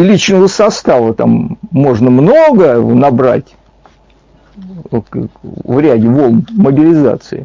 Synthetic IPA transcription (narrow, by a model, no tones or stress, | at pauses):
lʲit͡ɕnəvəsɐst̪avət̪a̰mːo̞ʐnəmnoɡənɐbɾa̰tʲ | vɾʲædʲɪvolˠmməbʲɪlʲɪza̰t̪sɨɪ